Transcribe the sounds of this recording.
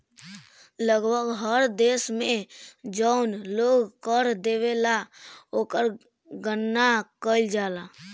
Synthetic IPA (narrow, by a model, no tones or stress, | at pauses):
ləɡbʱəɡɦəɾd̪esmed͡ʒəʊnloɡkəɾd̪eβelaokəɾ | ɡənːakəɪld͡ʒala